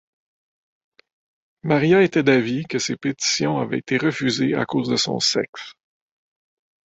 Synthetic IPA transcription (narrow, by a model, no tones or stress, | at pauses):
maʁjaet̪ɛd̪avikəsepet̪i̥sjɔ̃avɛ̰et̪eʁəfyzea̰koːzd̪əsɔ̰̃sɛ̰ks